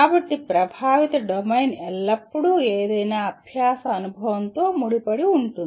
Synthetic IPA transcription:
aːbɐʈːipɾɐbʱaːʋit̪ɐɖomɐjnɛlːɐpːuɽueːd̪eːnaɐbʱjaːsɐːnubʱɐʋɐnt̪oːmuɽipɐɽiuɳʈun

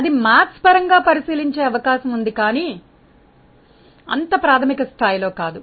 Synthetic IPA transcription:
ɐd̪imaːspɐɾɐŋɡaːpɐɾisiːliɲt͡ʃeːɐʋɐkaːʃɐmund̪ikaːniː | ɐ̰nt̪ɐpɾaːt̪ʰɐmikɐst̪ʰaːjlo̞ːkaːd̪u

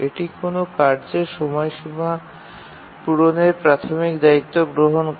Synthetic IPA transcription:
eʈikonokaɾd͡ʑeɾʃɔmɔjʃima | puɾoneɾpɾat̪ʰomikd̪ait̪ːoɡɾoɦon

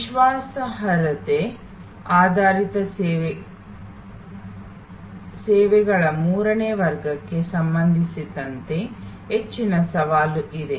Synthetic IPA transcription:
iʃʋaːsɐɦɐɾɐt̪e | aːd̪ʱaːɾit̪ɐ | sɛːʋɛɡɐɭɐmuːɾɐneːʋɐɾɡɐkːe̞sɐmbɐnd̪ʱisid̪ɐnt̪e̞ | ɦet͡ʃːinɐsɐʋaːluʔid̪e̞

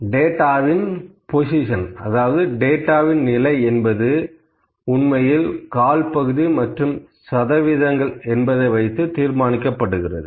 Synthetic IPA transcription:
ɖeːʈːaːʋɪnposɪʂɐnɐ̰ðaːʋɐðɯɖeːʈːaːʋɪnnɪlɐɪɛnbɐðɯ | ʊnmɐjɪlkaːlpɐɣɯðimɐʈrɯm | sɐðɐʋɪðɐŋɡɐɭɛnbɐðɐɪʋɐɪt̪ːɯt̪iːɾmaːnɪkːɐpːɐɽɯɣɪrɐðɯ

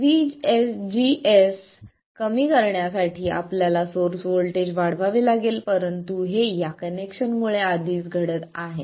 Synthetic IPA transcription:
ʋid͡ʑesd͡ʑies | kəmiːkəɾɳjasaʈʰiːa̰pljalasoɾsʋolʈed͡ʑʋaɽ̤ʋaʋelaɡelpəɾənt̪uɦejakənekɕənmuɭead̪ʱiːsɡʱəɽət̪aɦe

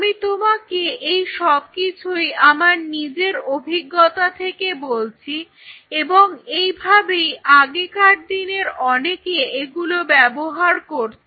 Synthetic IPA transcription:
amit̪omakeejʃɔb̚kit͡ɕʰujamaɾnid͡ʑeɾobʱiɡːot̪at̪ʰekebolt͡ɕʰi | eboŋejbʱabejʔaɡekaʈ̚d̪ineɾɔnekeeɡulobɛboɦaɾkoɾt͡ɕʰ

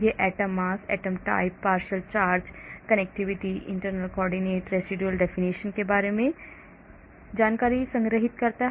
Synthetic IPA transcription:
eʔɛːʈəmːaːsɛ̰ːʈəmʈa̰ːɪpːaːɾʃəlt͡ʃaːɾd͡ʒkɐnek̚ʈiʋɪʈiʔɪ̰̃ɳʈəɾnəlkɔːɾɖineːʈɾesiɖuəlɖɛːfʰiniʃənkebaːɾemẽ | d͡ʒaːnkaːɾisə̃ŋɡɾəɦɪt̪kɐɾt̪aɦ

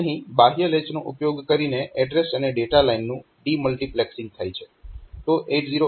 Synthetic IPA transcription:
əɦĩbaɦjəlet͡ʃnõʔʊpjoɡkəɾineʔɛɖɾesəneɖeʈalainːũ | ɖiməlʈiplɛksɪ̃ŋɡ̚t̪ʰajt͡ʃʰe̥ | t̪oʔeʈziɾo

